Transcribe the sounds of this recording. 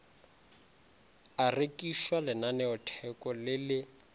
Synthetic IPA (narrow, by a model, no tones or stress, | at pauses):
arekʼiʃwalɪnanɛʊtʰɛkɔlɪlɪ